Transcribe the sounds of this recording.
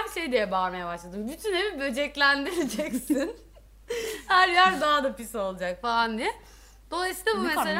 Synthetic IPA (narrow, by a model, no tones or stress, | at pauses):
mʃe̞jd̪ijɛbaɾmejabaʃlˠad̪ɯmbyt̪ʰynhebibø̞d͡ʒɛclʲænd̪iɾed͡ʒɛcsin | hæɾjæɾd̪aɦad̪apiso̞lˠud͡ʒakfalˠand̪ijɛ | d̪̥o̞lˠajsɯːlˠabumesselʲ